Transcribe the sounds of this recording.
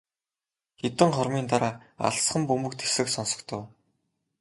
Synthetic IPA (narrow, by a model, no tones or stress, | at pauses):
xet̪ɘ̆ɴχɔrmiːnt̪aɾaːa̰ɮsχə̆mpɵmɵ̆kt̪ʰe̥sɘ̆ksɔnsɞ̆kt̪ʰə̆w